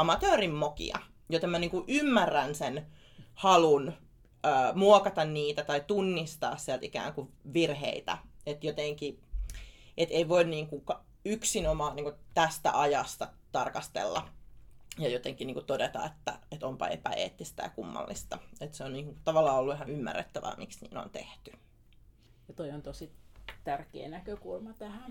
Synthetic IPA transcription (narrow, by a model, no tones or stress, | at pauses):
ɑmɑt̪øːrimmokḭɑ̰ | jot̪emæniːŋkuʔymːærːænsen | hɑlun | əːmuokɑt̪ɑnniːt̪æt̪ɑit̪unːist̪ɑ̰ːssiælt̪ikæ̰ːŋkuʋirhḛit̪æ̰et̪jot̪eŋki | ʔet̪eiʋoinniːŋkuŋkɑ | yksinomɑːniːŋkut̪æst̪æ̰ʔɑjɑst̪ɑ | t̪ɑrkɑst̪ḛlːɑ̰ | jɑjot̪eŋkiniːŋkut̪odet̪ɑ̰et̪ːæ̰et̪ompɑ̰ḛpæ̰ḛːt̪ːist̪æ̰jɑkumːɑ̰lːist̪ɑet̪seonniːŋkut̪ɑʋɑlːɑːolːuiɦɑnymːæ̰rːḛt̪ːæʋæ̰miksnḭːno̰nt̪ḛht̪y | jɑt̪oiont̪osit̪ærkḛːnækøkulmɑt̪æhæ